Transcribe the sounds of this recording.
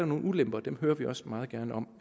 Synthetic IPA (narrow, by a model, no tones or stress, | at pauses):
æɐno̝ːn̩ulemb̥ɐd̥emɦøːɐʋiʔɒ̽smɑ̈ːð̞̩ˠɡ̥æɐnəɒ̽m̰